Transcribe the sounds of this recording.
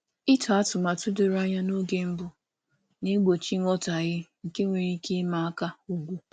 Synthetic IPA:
ɪ˦ta˨a˦tʊ˨ma˨tʊ˦dʊ˨ɾa˦ɲa˦no˦ɡe˦m̩˦bʊ˦ | ne˦ɡ͡bo˨t͡ʃi˦ŋʷɔ˦ta˨ɣɪ˦ŋ̩˨ke˦ŋʷe˨ɾi˦ke˦ma˨˦a˦ka˦u˦ɡʷu˦

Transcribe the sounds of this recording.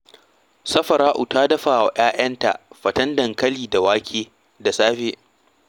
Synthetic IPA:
sɐ˦ɸɐ˨ɾaː˦ʔʊ˨taː˦dɐ˦ɸaː˨wa˨ʔaː˦j̰ɐ˦nta̰˨ʔɸɐ˨tɐ˦ndɐ˨ŋkɐ˦liː˨da˨waː˦kʲʰeː˦ | da˨saː˦ɸeː˦

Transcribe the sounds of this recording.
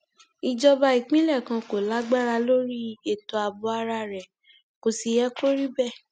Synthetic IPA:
i˨d͡ʒɔ˧ba˧i˨k͡pĩ˦lɛ˦˨kã˧ko˨la˨˦ɡ͡ba˦ɾa˧lo˦ɾi˦e˦˨tɔ˧a˨bɔ˧a˧ɾa˧ɾɛ˨ | ko˨si˧jɛ˦ko˦ɾi˦bɛ˦˨

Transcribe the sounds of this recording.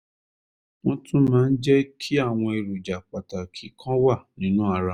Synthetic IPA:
w̃ɔ̃˦tʰũ˦mãː˦n̩˦d͡ʒɛ˦kʰi˦a˦˨w̃ɔ̃˧e˨ɾu˨d͡ʒa˨k͡pa˨ta˨kʰi˨˦kʰã˦wa˦˨nĩ˨˦nũ˦a˧ɾa˧

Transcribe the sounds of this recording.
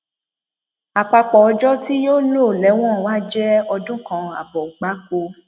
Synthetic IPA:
a˨k͡pa˧k͡pɔ˨ɔ˧d͡ʒɔ˦ti˦joː˦lo˦˨lɛ˨˦w̃ɔ̃˦˨wa˦d͡ʒɛ˦ɔ˧dũ˦kã˧a̰˨bɔ˨ɡ͡ba˨˦k͡po˧

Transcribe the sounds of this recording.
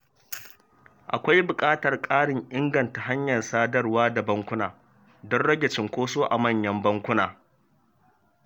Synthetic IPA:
ʔa̰˨kʷa˦jbʊ˨kʼaː˦tɐ˨rkʼaː˦ɽɪ˨ŋʔɪ˦ŋɡɐ˨nta˨ɦa˦ɲjɐ˨nsaː˦dɐ˦rwaː˦da˨bɐ˦ŋkʷʊ˦naː˨ | dɔ˦nɽɐ˦ɡʲɛ˨t͡ʃɪ˨ŋkʷoː˦soː˦ʔa˨mɐ˦˨ɲjɐ˦mbɐ˦ŋkʷʊ˦naː˨

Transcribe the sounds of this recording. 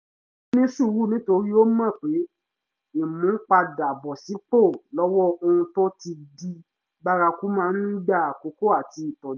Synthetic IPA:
nĩ˦su˦˨˦wu˦˨nĩ˨˦to˧ɾi˦o˦mã˦˨k͡pe˨˦ | ĩ˦˨mũ˨˦k͡pa˧da˨bɔ˨si˨˦k͡po˦˨lɔ˦wɔ˦o˧ũ˧to˦ti˧di˧ | ba˧ɾa˧ku˦mãː˦˧˦n˦i˦ɡ͡ba˦˨a˨ko˨˦ko˦a˦˨ti˧i˨tɔ̃˨˦

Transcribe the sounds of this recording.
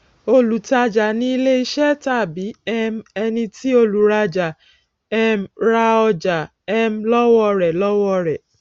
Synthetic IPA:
o˧lu˨ta˧d͡ʒa˨nĩ˧i˧le˦i˧ʃɛ˦ta˦˨bi˨˦ɛ˧mɛ˧nĩ˧ti˦o˧lu˨ɾa˧d͡ʒa˨ | ɛ˧mɾa˧ɔ˧d͡ʒa˨ | ɛ˧m˦lɔ˦wɔ˦ɾɛ˨lɔ˦wɔ˦ɾɛ˨

